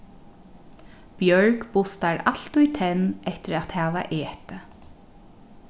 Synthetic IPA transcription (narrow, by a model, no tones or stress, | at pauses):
b̥jœɹkpʊst̪aɹaɬt̪ʊjt̪ʰɛnːɛht̪ɪɾat̪hɛːʋa̰ʔeːt̪ə